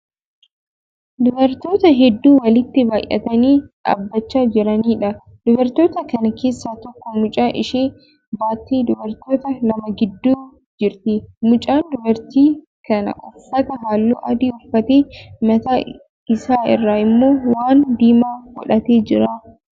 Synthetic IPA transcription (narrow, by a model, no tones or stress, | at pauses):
d̪ʊbɐɾt̪o̞ːt̪ɐɦɛd̪ːuːwɐlɪt̪ːɪbaːjʔɐ̰t̪ɐniːɐ̰bːɐt͡ʃːaːd͡ʒɪɾɐniːᶑɐ | d̪̥ʊbɐɾt̪o̞ːt̪ɐkɐnɐke̞ːsːaːt̪ɔkːɔmʊt͡ʃʼaːʔɪʃeː | baːt̪ːiːd̪ʊbɐɾt̪oːt̪ɐlɐmɐɡɪd̪ːuː | d͡ʒɪɾt̪ɪmʊt͡ʃʼaːnd̪ʊbɐɾt̪iː | kɐnɐ̰ʔɐsɐt̪ɐɦaːlːṵːʔɐd̪iːʊfɐt̪eːmɐt̪aː | ɪsaːɪ̰rːaːɪmːo̞ːwaːnd̪iːmaːɡɔ̰ᶑɐt̪eːd͡ʒɪɾa